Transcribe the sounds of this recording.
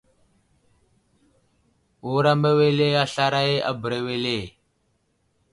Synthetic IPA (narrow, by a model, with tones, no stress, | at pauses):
u˨ɾa˦me˦we˦le˦a˦ɬa˦ɾa˦e˦ʔa̰˦bɾe˨we˦leː˦˨